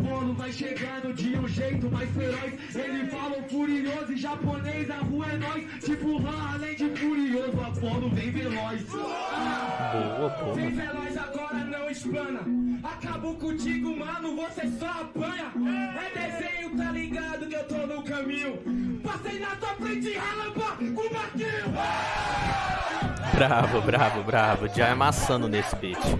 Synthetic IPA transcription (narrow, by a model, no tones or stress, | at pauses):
polʊvajʃeɡãɾd̪ʊd͡ʒiɐũʒẽjt̪ʊmajsfeɾɔjs | elɪfalɐ̃w̃fuɾiɲozɪʒaponejzahuɐenɔjst͡ʃipʊlaalẽj̃d͡ʒɪfuɾiozapolʊ̃d̪ẽj̃velɔjs | bot̪ẽj̃felɔjzaɡɔɾɐnɐ̃w̃ɪʃpɐ̃nɐakabokõt͡ʃiɡʊmanʊ̃vosesɔapɐ̃jɐõd̪ezẽɲʊt̪aliɡad̪ʊkɪewt̪onʊkɐmĩɲʊposẽjnãt̪oplẽt͡ʃɪ̃pɐkũmak̪i | bɾavʊbɾavʊbɾavʊʒaamasɐ̃nʊnesɪ̥bet͡ʃɪ